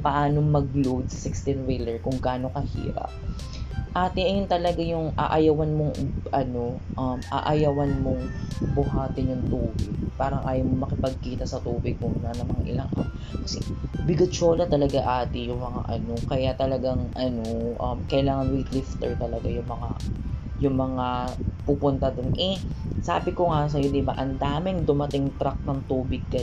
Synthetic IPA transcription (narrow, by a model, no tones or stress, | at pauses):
pɐʔaːnomɐɡlowd̪̚sɐsɪkst̪ɪnwɪlɛɹkʊŋɡaːno̞kɐhḭːɾɐ̰p | ʔaːt̪ɪʔɐjʊnt̪ɐlɐɡajʊŋʔa̰ːʔɐjɐwɐnmoŋʔɐno̞ʔɐmʔa̰ʔɐjɐwɐnmoŋbʊɦaːt̪ɪnjʊŋt̪uːbɪɡ̚paːɾɐŋʔaːjɐwmomɐkɪpɐɡ̚kiːt̪ɐsɐt̪uːbɪɡ̚mʊnanɐmɐaʔɪ̰lɐŋʔa̰ | kɐsɛbɪɡʊt͡ʃoːlɐt̪ɐlɐɡaʔaːt̪ɪjʊŋmɐŋa̰ʔɐno̞kɐjat̪ɐlɐɡaŋʔɐnoʔɐ̰mkɐʔɪlaːŋɐnwɪt̪lɪft̪ɛɹt̪ɐlɐɡajʊŋmɐŋa | jʊŋmɐŋapupʊnt̪ɐd̪onʔɛsa̰ːbɪkoŋas̬ɐjod̪ɪba̰ʔɐnd̪aːmɪŋd̪ʊmɐt̪ɪŋt̪ɾak̚nɐŋt̪uːbɪɡ̚kɐ